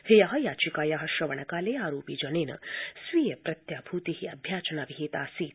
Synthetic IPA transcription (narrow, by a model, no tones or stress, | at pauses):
hejaɦɐ̆jaːt͡ʃikaːjaɦɐʃɐʋɐɳɐkaːleːaːɾoːpiːd͡ʒɐneːnɐ̰sʋiːjɐpɾɐt̪jaːbʱuːt̪iɦiɐbʱjaːt͡ʃɐnaʋiɦeːt̪aːsiːt̪